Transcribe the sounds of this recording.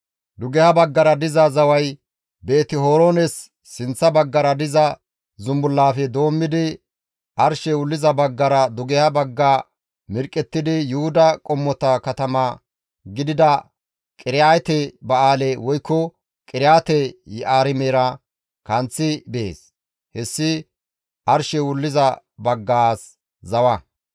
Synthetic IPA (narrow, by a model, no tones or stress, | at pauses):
d̪ʊɡɛhɐbɐɡːɐɾɐd̪ɪzɐzɐwɐj | be̞ːt̪ɪɦoːɾoːnɛsː | ɪnt͡sːɐbɐɡːɐɾɐd̪ɪzɐ | zʊmbʊlːaːfɛd̪o̞ːmːɪd̪ɪ | ʔɐɾʃɛʊlːɪzɐbɐɡːɐɾɐd̪ʊɡɛhɐbɐɡːa | mɪɾkʼːɛt̪ːɪd̪ɪjʊhʊd̪ɐkʼɔmːɔt̪ɐkɐt̪ɐma | ɡɪd̪ɪd̪ɐ | kʼɪɾɪjaːjt̪ɛbɐaːlɛwɔjkːɔ | kʼɪɾɪjaːt̪ɛjɛʔaːɾɪmeːɾɐ | kɐnt͡sːɪbḛːs | hɛsːɪ | ʔɐɾʃɛwʊlːɪzɐ | bɐɡːaːs | zɐwɐ